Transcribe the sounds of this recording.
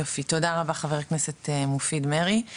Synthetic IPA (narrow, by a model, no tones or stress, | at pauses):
ofit̪odaʁabaχaveʁknesetemofidmeʁi